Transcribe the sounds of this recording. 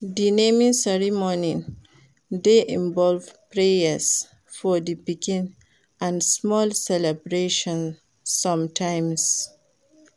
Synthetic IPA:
dinẽmĩŋsɛɹimɔni | d̪eʔĩnvɔlvpɹejəs | fɔd̪ipikĩn | ʔãnsmɔlsɛlebɾeʃɔ̃nː | ʌ̃mtʰãɪ̃ms

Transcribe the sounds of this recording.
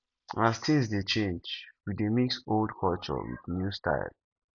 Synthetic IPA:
astĩnsdet͡ʃẽnd͡ʒwidemiksoldkʰɔlt͡ʃɔ̰wḭðnjustʰa̰ɪl

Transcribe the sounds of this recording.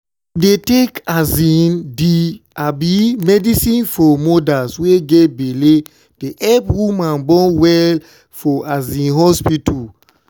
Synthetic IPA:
detekazĩndiabimɛdisĩnfɔmodasweɡebele | d̥eʔɛpwumãnbɔ̃wɛl | fɔazĩnɦɔspitul

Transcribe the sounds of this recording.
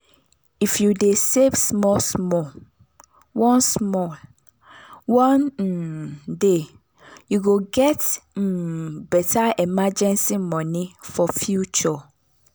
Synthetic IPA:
ifjudesevsmɔsmɔl | wɔ̃nsmɔl | wɔ̃n̩de | juɡoɡɛt̩ː | bɛtʰaɛmad͡ʒɛ̃nsimɔ̃nĩfɔfjut͡ʃɔ

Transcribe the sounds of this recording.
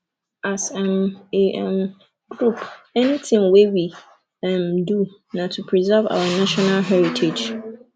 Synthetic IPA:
ʔasãmeʔɛ̃m | ɡɹupʰɛnitʰɪ̃ŋwewi | ɛmdu | nãtʰupʰɹizɛva̰wanaʃɔnalɦɛɹitʰed͡ʒ

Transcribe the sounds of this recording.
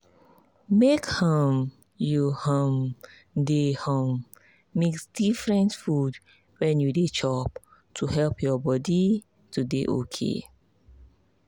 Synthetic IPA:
mekham | juhãm | dehɔ̃mː | eksdifɹɛ̃ntfud | wɛ̃njudet͡ʃɔp | tʰuɦɛlpʰjɔbɔdi | tudeʔo̰kʰḛ

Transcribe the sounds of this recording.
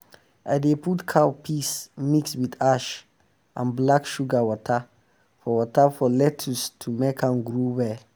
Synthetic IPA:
ʔa̰deputkʰawpʰismikswidaʃ | ʔãnblakʃuɡawɔtʰə | fɔwɔtafɔlɛtʰustʰumekʰãmɡɹuwɛl

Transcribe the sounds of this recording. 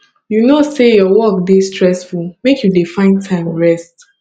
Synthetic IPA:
junosejɔwɔk̚distɹɛsfulmekjudefãɪ̃ntʰãɪ̃mɹɛst

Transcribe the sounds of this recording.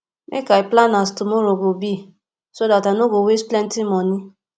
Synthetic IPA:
mʔḛkaiplanastumoɾoɡobi | sodatanoɡowesplɛ̃ntimɔ̃nĩ

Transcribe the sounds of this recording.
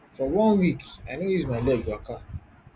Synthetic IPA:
fɔwɔ̃nwikaɪdõjuzmaɪlɛɡjuaka

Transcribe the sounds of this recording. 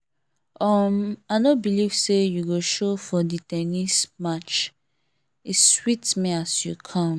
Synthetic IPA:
ɔmaɪnobilivsejuɡoʃofɔditɛnismat͡ʃ | iswitmiasjukʰɔ̃m

